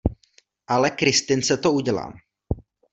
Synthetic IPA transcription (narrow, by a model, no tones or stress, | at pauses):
ʔalɛkɾɪst̪ɪnsɛt̪ouɟɛla̰ːm